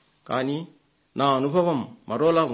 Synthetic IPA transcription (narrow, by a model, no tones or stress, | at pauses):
kani | naonupaβomːaɾola